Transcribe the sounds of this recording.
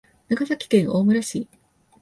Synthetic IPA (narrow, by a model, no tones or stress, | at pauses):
naɡasakʲi̥kẽ̞ɰ̃o̞ːmɯ̟ɾaɕi